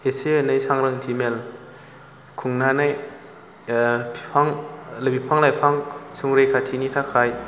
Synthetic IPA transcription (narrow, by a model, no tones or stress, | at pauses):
eseenɯjsaŋɾɯŋtʰimel | kʰuŋnanaj | pʰaŋlabipʰaŋlajpʰaŋsuŋɾejkʰatʰinitʰakʰaj